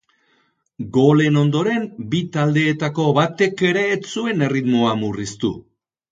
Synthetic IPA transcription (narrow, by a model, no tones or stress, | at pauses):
ɡo̞le̞no̞nd̪o̞ɾe̞mbit̪ald̪e̞ːt̪ako̞βat̪e̞ke̞ɾe̞ːt͡sue̞ne̞rit̪mo̞amurist̪ṵ